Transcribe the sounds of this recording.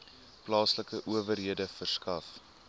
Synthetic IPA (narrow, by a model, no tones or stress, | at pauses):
plɑːsləkəʔuəvərɦiədəfərskɐf